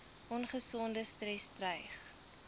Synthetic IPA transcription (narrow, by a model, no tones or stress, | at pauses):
ʔɔnχəsɔndəstrɛstrəjχ